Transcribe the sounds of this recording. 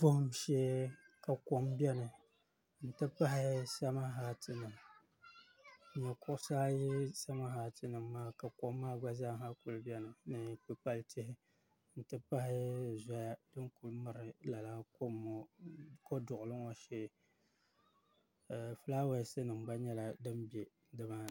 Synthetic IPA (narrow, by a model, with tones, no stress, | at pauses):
pʊ˦hʊ˨˦m˨ʃɛ˦ | ka˨ko˦mbʲɛ˦nɨ˨ | n̩˨tɨ˦pa˦ɦɪ˦sa˦ma˦ɦa˨tʰɨ˨nɨ˨m˨ | ɲɛ˨kʊ˦ʔʊ˦saː˦ji˦sa˦ma˦ɦa˨tɨ˦nɨ˨mː˦aː˦ka˨ko˦mːaː˦ɡ͡ba˦zaː˦ɦa˦ku˨lbɛ˦nɨ˨nɨ˨k͡pɨ˨pa˦ltɪ˦hɪ˦ | n̩˨tɨ˦pa˦hɪ˦za˦ja˦dɨ˦nku˨lmɨ˨ɾɪ˨la˨la˦ko˦m˨ko˦dʊ˨ʔʊ˨lɨ˦ŋo˦ʃɛ˦˨ | fɨ˦la˦wa˦˨˦sɨ˦nɨ˨mɡ͡ba˦ɲɛ˦la˨dɨ˦mbe˨ | dɨ˦ma˦